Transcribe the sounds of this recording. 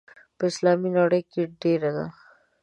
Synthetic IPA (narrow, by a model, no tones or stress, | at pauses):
pəɪslɑminɑɽəjkeɖeɾad̪a̰